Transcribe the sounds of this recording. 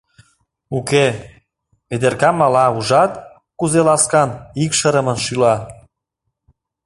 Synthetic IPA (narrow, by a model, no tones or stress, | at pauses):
uke | βed̪erkɑmːɑlɑuʒɑt̪̚ | kuzelɑskɑnikʃəɾə̆mə̆nʃylɑ